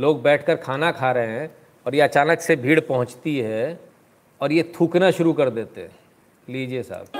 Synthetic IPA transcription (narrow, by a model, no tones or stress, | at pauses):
loːɡ̚bɛːʈʰkəɾkʰaːnakʰaːɾəɦeɦɛ̃ | ɔːɾjeɐt͡ʃaːnəksebʱiːɽpɐɦʊ̃t͡ʃt̪iɦɛ | ɔːɾjet̪ʰuːknaʃʊɾukɐɾd̪eːt̪eɦɛ̃ | liːd͡ʒiesa̰ːb̚